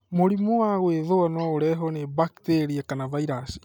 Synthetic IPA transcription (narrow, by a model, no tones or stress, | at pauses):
moɾimowaɣweðoanwaoɾɛɦɔnebakiteɾiakanavaiɾasi̥